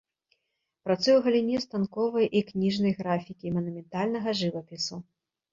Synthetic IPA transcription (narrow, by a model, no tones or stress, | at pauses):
pɾat̪sɨjwɣɐlʲinʲɛst̪ankɔvɐjʔiknʲiʐnɐjɣɾafʲikʲimɐnumʲɛnt̪alʲnɐɣɐʐɨvɐpʲisu